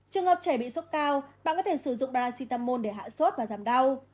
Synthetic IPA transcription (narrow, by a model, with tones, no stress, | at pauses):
t͡ɕɨ˨˩əŋhəː˨˩p̚t͡ɕə˧˩ɓḭ˧˨sə˦˥t̚kaː˧wɓaː˧˨kɔ˨˦t̪e˧˩sɨ˧˩zʊ̰˧˨ŋ͡mɓaː˧laː˧si˧t̪aː˧mːo˧nɗe˧˩ɦa̰ː˧˨swə˦˥t̚vaː˨˩zaː˨˩mɗa˧w